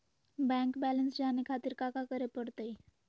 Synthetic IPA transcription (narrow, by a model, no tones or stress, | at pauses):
bɛ̃ːŋkbɛːlənsd͡ʒaːnekʰaːt̪ɪɾkaːkakəɾepəɽt̪ai